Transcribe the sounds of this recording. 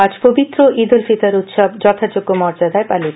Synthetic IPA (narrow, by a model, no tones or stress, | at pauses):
ad͡ʑpobit̪ːɾoʔid̪ulfit̪aɾut̪ʃɔbd͡ʑɔt̪ʰad͡ʑoɡːomɔɾd͡ʑad̪aepalit̪